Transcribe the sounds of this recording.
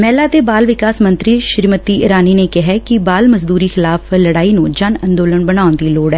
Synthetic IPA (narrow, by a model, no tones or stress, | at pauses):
mɛːlaːt̪eːbaːlʋɪkaːsmə̃nt̪ɾiːʃɪɾmət̪iːɪɾaːniːneːkɪɦɛːkɪbaːlməzd̪uːɾiːxɪlaːpləɽaːiːnũːd͡ʒənənd̪oːlənbənaːʊnd̪iːloːɽɛː